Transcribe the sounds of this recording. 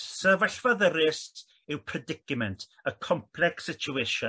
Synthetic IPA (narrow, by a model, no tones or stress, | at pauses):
səvəɬvɔðəɾɪst | ɪwpʰrɛdɪkɪmɛntʰ | əkʰɔmpʰlˠɛksɪt͡ʃʰueʃɔ